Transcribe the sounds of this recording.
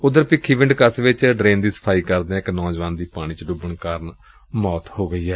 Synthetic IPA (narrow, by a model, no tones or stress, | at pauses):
ʊd̪əɾpɪkʰːiːbɪ̃ɳɖkəsʋɪt͡ʃɖɾẽːnd̪iːsə̥pʰaːiːkəɾd̪eɛ̃ɪknɔːd͡ʒʋaːnd̪iːpaːɽ̃ĩːt͡ʃəɖʊbəɳkaːɾən | mɔːt̪hoːɡəiːɛː